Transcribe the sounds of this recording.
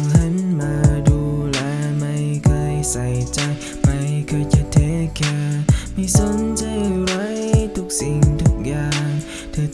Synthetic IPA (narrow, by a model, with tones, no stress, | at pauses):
ŋha˧˥nmaː˧duː˧˩lɛː˧˩ma˧jkʰɤː˧jsa˨˩jt͡ɕa˧j | ma˧˥jkʰɤː˧jt͡ɕa˧˩t̪ʰeː˨˥kɛː˧˩ma˧˩jso˧˦˥nt͡ɕa˧˩jɾa˧˥jt̪ʰu˧k̚si˨ŋt̪ʰu˧˥k̚jaː˧ŋ | t̪ʰɯː˧